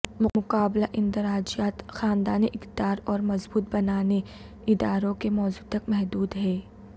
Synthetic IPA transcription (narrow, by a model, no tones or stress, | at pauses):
mʊmʊqaːblaʔɪ̃nt̪ɪɾaːd͡ʒijaːt̪xaːnd̪aːniʔɪkd̪aːɾɔːɾmɐzbuːt̪̚bɐnaːne | ɪd̪aːɾõkemɔːzuːt̪ɐkmɛɦd̪uːd̪ɦɛː